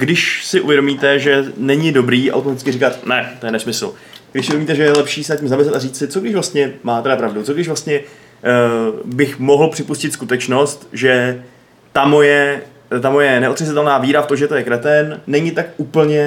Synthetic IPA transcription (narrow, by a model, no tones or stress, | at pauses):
ɡdɪʃsɪʔuvjɛɾomiːt̪ɛʒɛnɛɲɪdo̞bɾiːʔa̰wt̪omat̪ɪt͡sskɪrɪkat̪̚nɛt̪o̞jɛnɛsmɪsl̩ | ɡdɪʃsɪʔuveomiːt̪ɛʒɛjɛlɛpʃiːsɛnaciːmzamɪslɛt̪ariːt͡ssɪt͡so̞ɡdɪʃvlast̪ɲɛmaːt̪ɛɾapɾavdut͡so̞ɡdɪʃvlast̪ɲɛ | bɪxmoɦl̩pr̝̥ɪpuscɪt̪skut̪ɛt͡ʃno̞st̪ʒɛ | t̪amojɛ | t̪amo̞jɛnɛʔo̞t̪r̥ɛzɪt̪ɛlnaːviːɾaft̪omʒɛt̪o̞jɛkɾɛt̪ɛnːɛɲɪt̪akʔuːpl̩ɲɛ